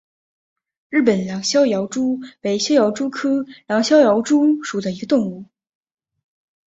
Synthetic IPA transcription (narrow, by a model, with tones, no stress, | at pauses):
ɻɻ̩˥˩pə˨˩nljɑ˧˥ŋɕjɑ˥ʊjɑ˧˥ʊʈ͡ʂu˥pe˧˥ɪɕjɑ˥jɑ˧˥ʊʈ͡ʂu˥kʰɤ˥ljɑ˧˥ŋɕjɑ˥ʊjɑ˧˥ʊʈ͡ʂu˥ʂu˨˩d̪ə˦i˧˥ɡə˧t̪ʊ˥˧ŋu˥˩